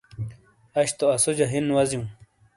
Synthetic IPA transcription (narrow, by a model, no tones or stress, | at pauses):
ɐɕt̪oɐsod͡ʑaɦinwɐzjũ